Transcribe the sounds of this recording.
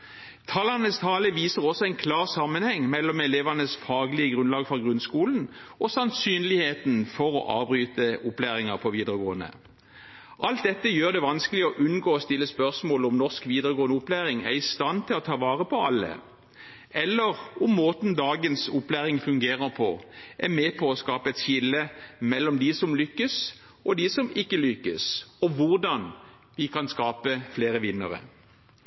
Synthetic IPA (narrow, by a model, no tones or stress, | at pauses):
t̪ʰɑːlɑnəst̪ʰɑːləʋiːsəʁɔsɔæɛɪnkʰlɑːʁsɑmːənhɛŋːmɛlːɔmɛleːʋɑnəsfɑːɡlɪəɡʁʉnlɑːɡfɔʁɡʁʉnskuːln̩ʔɔsɑnsyːnlɪheːt̪nfɔʁɔ̰ʔɑ̰ːbʁyːt̪əʔʊplæːʁɪŋɑʁpʰɔʋiːd̪əʁəɡoːənə̰ | ʔɑlt̪̚d̪ɛt̪ːəjøːʁd̪ɛʋɑnskəlɪɔʔʉnɡoːɔst̪ɪlːəspœʁsmoːlɔmnɔʁskʋiːd̪əʁəɡoːənəʊplæːʁɪŋæ̰ʁɪst̪ɑnt̪ʰɪlɔt̪ʰɑːʋɑːʁəpʰɔɑlːə̰ | ɛlːəʁɔmːoːt̪nd̪ɑːɡənsʊplæːʁɪŋfʉŋɡeːʁəʁpʰɔʔæmeːpʰɔɔskɑːpəɛt̪çɪlːəmɛlːɔmd̪ɪsɔmlʏkːəs | ʔɔd̪ɪsɔmɪkːəlʏkːə̰sɔʋʊʁd̪ɑn | ʋɪkʰɑnskɑːpəfleːʁəʋɪnːə̰ʁə̰